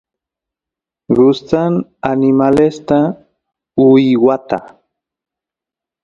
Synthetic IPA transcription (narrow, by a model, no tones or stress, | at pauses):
ɢʊst͡s̪ananɪmalest̪a | ʊjwat̪a̰